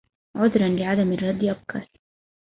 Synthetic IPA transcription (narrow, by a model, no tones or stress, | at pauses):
ʕʊd̪ɾˤɑnlɪʕad̪amɪrˤːɑd̪ːɪʔab̚kʰɑ̰ːl